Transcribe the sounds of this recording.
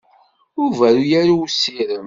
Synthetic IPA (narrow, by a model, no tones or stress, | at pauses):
ʊvæɾujæɾuwsːiɾəm